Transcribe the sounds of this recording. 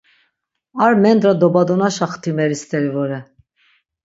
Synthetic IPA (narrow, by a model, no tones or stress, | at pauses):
aɾmɛnd̪ɾad̪ɔbad̪ɔnaʃaχt̪ʰimɛɾist̪ʰɛɾivɔɾɛ